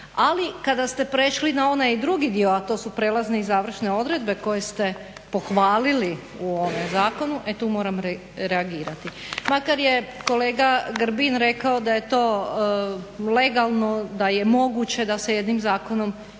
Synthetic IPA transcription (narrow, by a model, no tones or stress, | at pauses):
alikad̪ast̪e̞pɾeʃlinao̞najid̪ɾuɡid̪ioat̪o̞supɾeːlˠazneizaːʋr̩ʃne̞o̞d̪ɾe̞d̪be̞ko̞je̞st̪e̞ | po̞xʋaːlili | uo̞mezaːko̞nuʔet̪uːmo̞ːɾamɾe | ɾeaɡiːɾat̪i | makaɾje̞ko̞leːɡaɡɾ̩binɾe̞kao̞d̪aje̞t̪o̞ː | le̞ɡalˠno̞d̪aje̞mo̞ɡut͡ɕe̞d̪asjed̪nimzaːko̞no̞m